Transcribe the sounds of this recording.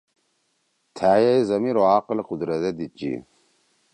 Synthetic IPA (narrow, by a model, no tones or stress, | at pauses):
t̪ʰaːjɐjzɐmiɾoaːqlequd̪ɾɐd̪ed̪it͡ɕḭ